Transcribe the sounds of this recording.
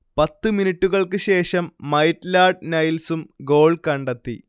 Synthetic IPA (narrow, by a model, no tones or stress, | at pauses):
pɐt̪ːɨminiʈːuɣɐɭkɨɕe̞ːʂɐmːɐjʈlaːɖ̚nɐjilsumɡo̞ːɭkɐɳɖɐt̪ːḭ